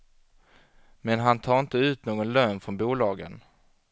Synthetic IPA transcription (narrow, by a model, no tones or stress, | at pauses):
mɛnɦant̪ʰɑːɾɪnt̪əʉ̟ːt̪noːɡɔnlœːnfɾɔnbuːlɑːɡə̰n